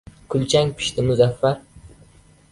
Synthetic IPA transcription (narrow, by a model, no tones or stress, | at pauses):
kʰʊlt͡ʃʰaŋpʰɪ̥ʃt̪ʰɪmʊzafːaɾ